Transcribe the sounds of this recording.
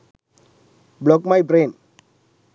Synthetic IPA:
blɔkmajbɾẽn

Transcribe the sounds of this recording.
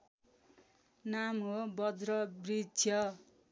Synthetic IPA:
namobʌd̪rʌbritʰjʌ

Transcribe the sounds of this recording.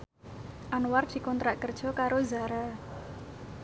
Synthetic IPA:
ʔanward̪̥i̤kɔnt̪ɾaʔkərd̥ʒ̥ɔ̤kaɾozaɾa

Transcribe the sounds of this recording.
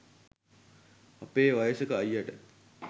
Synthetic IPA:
apeːʋajəsəkəajːaʈə

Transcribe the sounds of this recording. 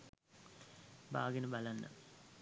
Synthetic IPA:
ba̰ːɡenəbalanːə̰

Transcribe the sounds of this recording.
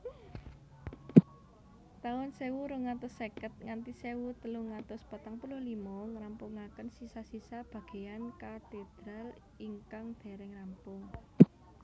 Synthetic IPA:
t̪aʊnsewuɾoŋat̪ʊsːekət̪̚ŋant̪isewut̪əluŋat̪ʊspat̪aŋpulʊhlimɔŋɾampʊŋakənsisasisab̥ä̤ɡ̥e̤jankat̪ed̪̥ɾal | iŋkaŋd̪̥e̤ɾɛŋrampʊŋ

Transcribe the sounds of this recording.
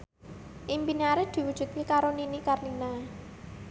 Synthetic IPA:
ʔimbinaɾed̪̥i̤wud̥ʒ̥ṳt̪̚kekaɾoninikarlina

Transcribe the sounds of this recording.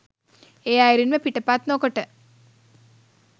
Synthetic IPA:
eːajiɾinmepiʈːɐpːaːt̪noːkoʈːə

